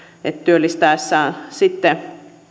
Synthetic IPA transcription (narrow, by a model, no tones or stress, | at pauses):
et̪t̪yølːist̪ɑˑesːɑːnsit̪ːe